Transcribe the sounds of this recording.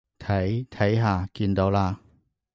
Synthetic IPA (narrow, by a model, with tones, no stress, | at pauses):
t̪ʰɐ˨˥jt̪ʰɐ˨˥jɦaː˨˧kiː˧nt̪o˨˧wlaː˧